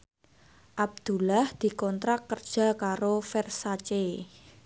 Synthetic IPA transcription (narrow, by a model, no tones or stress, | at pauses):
ʔab̚d̪̥ṳlahd̪̥i̤kɔnt̪ɾakːərd̥ʒ̥a̤kaɾofɛrsat͡ʃe